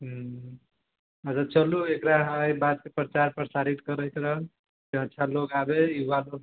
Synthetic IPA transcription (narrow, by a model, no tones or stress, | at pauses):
ɦ | əd͡ʒat͡ʃəluekɾaɦəjbad̪̚kepɾət͡ʃaɾpɾəsaɾit̪kəɾəjt̪ʰɾəɦən | keətːʃʰalokabejubalo